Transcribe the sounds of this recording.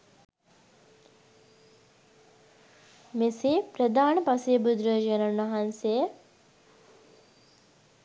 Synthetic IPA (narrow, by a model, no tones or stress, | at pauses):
mesepɾəd̪aːnəpɐsejbud̪ɾəd͡ʒənənʋɐɦansejə